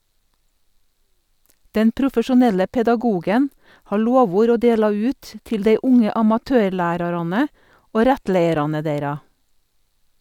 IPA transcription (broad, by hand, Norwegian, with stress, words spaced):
ˈdɛn pɾʊfəʃʊˈnɛlə pɛdɑˈɡuːɡən ˈhɑː ˈloːˌʋuːɾ ˈoː ˈdeːlɑ ˈʉːt ə ˈtɪl ˈdeɪ ˈʊŋə ɑmɑˈtøːɾˌlæːɾɑɾɑnə ˈoː ˈɾɛtˌleɪəɾɑnə ˈdeɪɾɑ